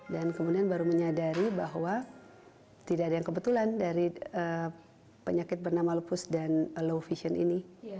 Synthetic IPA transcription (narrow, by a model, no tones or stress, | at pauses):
dankəmudianbaɾuməɲadaɾibaɦwa | t̪idaːdajaŋkəbət̪ulandaɾiə | pəɲakɪt̪̚bərnamalupʊsdanlowfiʃiənḭni